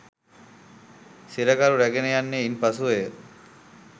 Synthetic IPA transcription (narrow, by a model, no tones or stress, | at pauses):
siɾɐkaɾuɾæɡenejanːeinpasuejə